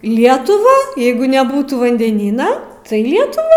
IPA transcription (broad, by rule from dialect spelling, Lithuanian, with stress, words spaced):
ˈlʲiɛtʊʋɑː ˈjɛɪɡʊ nʲɛˈbuːtuː ʋɐnʲdʲɛˈnʲiːnɐ tɐɪ ˈlʲiɛtʊʋɑː